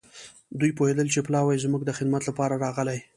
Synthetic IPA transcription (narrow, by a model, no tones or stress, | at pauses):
d̪ujpohed̪əlt͡ʃeplɑwajzmuɡd̪əxɪd̪mat̪lapɑɾaɾɑɣəlaj